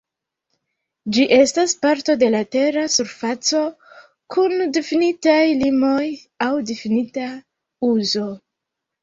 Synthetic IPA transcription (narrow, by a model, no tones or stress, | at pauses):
d͡ʒiʔe̞staspaɾto̞de̞late̞ɾasuɾfat͡so̞ | kʰundefinitajlimo̞j | awdefinita | uzo̞